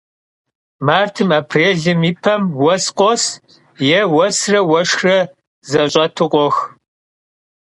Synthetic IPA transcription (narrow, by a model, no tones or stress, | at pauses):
maːrtʰɨmaːpʰreːɮɨmipʰɐmwɔsqʷʼɔs | jɛwɔsrɐwɐʂxrɐ | zɐɕʼɐtʰɨqʷʼɔx